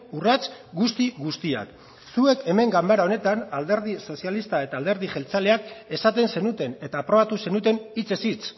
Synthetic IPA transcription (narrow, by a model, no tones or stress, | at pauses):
urat͡sɡust̪iɣust̪ia̰k | sue̞ke̞me̞ŋɡambaɾao̞ne̞t̪anald̪e̞ɾð̞iso̞sialist̪ae̞t̪aːld̪e̞ɾð̞iʝe̞lt͡sale̞ake̞sat̪e̞nse̞nut̪e̞ne̞t̪aːpɾo̞at̪use̞nut̪e̞nit͡se̞sit͡s